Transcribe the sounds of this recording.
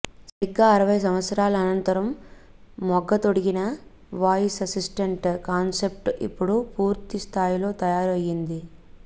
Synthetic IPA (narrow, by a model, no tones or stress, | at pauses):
sɐɾiɡːaːɐɾɐʋɐjs̬ɐmʋɐt̪sɐɾaːlɐːnɐnt̪ɐɾɐmː | ɔɡːɐt̪oɽiɡinɐ | ʋaːjisɐsisʈɐɳʈkaːnse̞p̚ʈḭpːuɽupuːɾt̪ist̪ʰaːjilo̞ːt̪ɐjaːɾɐjːind̪i